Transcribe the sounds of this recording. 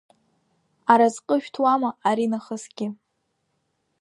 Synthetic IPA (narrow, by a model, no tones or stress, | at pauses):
aɾazqʼəʃᶣtʰwamaaɾinaχəsɡ̥ʲɪ